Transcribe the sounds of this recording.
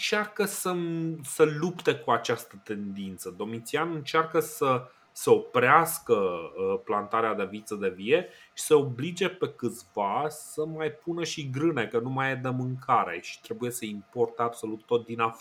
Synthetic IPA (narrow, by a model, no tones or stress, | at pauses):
ɨnt͡ʃarkəsəsəlupt̪e̞kuat͡ʃast̪ət̪e̞nd̪int̪səd̪o̞mit̪sianɨnt͡ʃarkəsə | səo̞pɾeaskəəplant̪aɾead̪e̞vit̪səd̪e̞vije̞ | ʃi̥seo̞blid͡ʒe̞pe̞kɨt̪sʲvasəmajpunəʃiɡɾɨnekənumajed̪emɨŋkʰaɾea̰it͡ʃt̪ɾe̞buje̞səimpo̞rt̪əabso̞lut̪ːo̞t̪̚d̪inaf